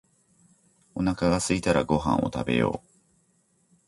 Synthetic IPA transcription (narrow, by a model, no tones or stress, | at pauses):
o̞nakaɡasɨit̪aɾaɡo̞ɦã̰ɰ̃ʔo̞̰t̪abe̞̰jo̞̰ː